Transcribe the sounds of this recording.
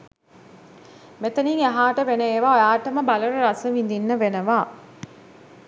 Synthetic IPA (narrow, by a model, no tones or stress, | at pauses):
met̪əniŋaɦaːʈəʋenəeːʋaːojaːʈəməbaləɾuɾasəʋind̪inːəʋenəʋaː